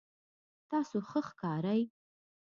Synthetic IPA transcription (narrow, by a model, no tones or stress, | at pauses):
t̪ɑsoxəxkɑɾaj